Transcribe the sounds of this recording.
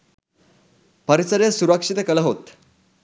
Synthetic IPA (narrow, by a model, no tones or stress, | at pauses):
pəɾisəɾjasuɾakʂit̪ekələɦot̪